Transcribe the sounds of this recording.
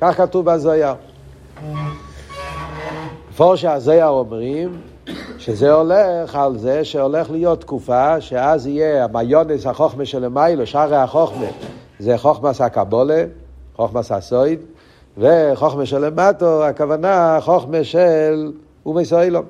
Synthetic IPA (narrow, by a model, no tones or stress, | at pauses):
kaχkatuvbazojaʁ | fɔʁʃeazojaʁɔmʁim | ʃezeɔleχalzeʃeɔleχlijotːkufaʃeazijeamajoneshaχoχmeʃelemajloʃaʁehaχoχme | zeχoχmashakaboleχoχmasha̰soɪd | veχoχmeʃɛlematoakavanaχoχmeʃel | umesojlam